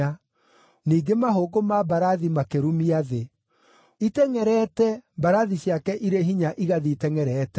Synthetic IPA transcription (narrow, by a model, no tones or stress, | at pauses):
a | niːɡemaɦoːɡomabaɾaðimakeɾumiaðe | itɛŋɛɾɛtɛbaɾaðiɕjakɛʔiɾeɦiɲaʔiɣaðiːtɛŋɛɾɛtɛ